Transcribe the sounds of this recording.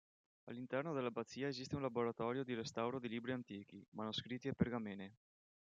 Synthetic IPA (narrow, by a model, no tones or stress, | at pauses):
a̰lːint̪ɛrnod̪elːabat̪sːiːaezist̪eunlaboɾat̪ɔːɾjod̪iɾest̪awɾod̪iliːbɾiant̪iːk̟imanoskɾit̪ːieperɡameːne